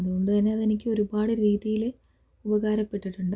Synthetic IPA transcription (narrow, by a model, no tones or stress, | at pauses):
ðuɣo̞ɳɖɨt̪ɐnːe̞ɐðe̞nikʲːɨo̞ɾubaːɽɨɾiːðijil | ubɐɣaːɾɐpːe̞ʈːiʈːuɳɖɨ